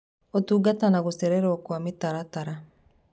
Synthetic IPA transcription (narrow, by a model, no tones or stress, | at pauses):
ɔtuːɡatanaɣosɛɾɛɾakwamitaɾataɾa